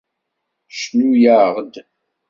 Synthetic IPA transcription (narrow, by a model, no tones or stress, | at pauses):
ʃnujaʁd̪